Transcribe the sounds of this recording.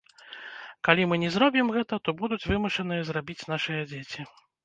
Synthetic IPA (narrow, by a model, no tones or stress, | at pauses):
kalʲimɨnʲɛzɾɔbʲimɣɛt̪ɐt̪ɔbud̪ut͡sʲvɨmɐʂɐnɨjɐzrabʲit͡sʲnaʂɨjɐd͡zʲet͡sʲi